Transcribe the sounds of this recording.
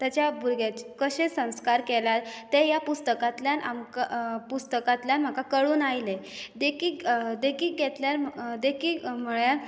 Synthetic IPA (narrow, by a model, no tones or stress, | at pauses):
t̪jat͡ɕjabʱuɾɡjat͡ɕe̥kəɕesə̃w̃skaɾkeljaɾt̪ejapust̪əkat̪ljanʔa̰mkapust̪əkat̪ljanm̤əkakəɭuːnajle | d̪ekiːkd̪ekiːɡet̪ljaɾmd̪ekʰiːkm̤əɭjaɾ